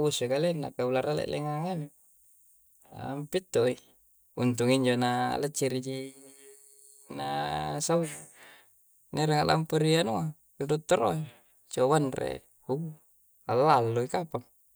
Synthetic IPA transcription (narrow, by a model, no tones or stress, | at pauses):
usukalenːa̰kaulaɾalḛʔlḛŋaŋani | mpit̪ːoi | unt̪uŋiɲd͡ʒonalət͡ʃːiɾid͡ʒi | nasau | neɾeŋaʔla̰mpəɾianua | idut̪ːoɾoi | t͡ʃoβanrḛ | hu | alːalːuikapaŋ